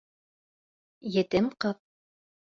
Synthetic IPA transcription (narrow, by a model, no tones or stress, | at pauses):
jɘ̆t̪ɘmqɤp̚